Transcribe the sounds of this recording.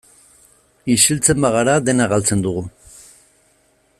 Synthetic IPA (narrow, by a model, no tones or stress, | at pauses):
iʃilt͡se̞mbaɣaɾaðe̞naɣalt͡se̞nd̪uɣu